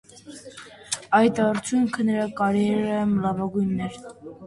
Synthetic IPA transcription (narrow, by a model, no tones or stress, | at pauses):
ɑjt̪ɑrt͡sʰjuŋkʰənəɾɑkɑɾɛɾəməlɑvɑɡujnːɛɾ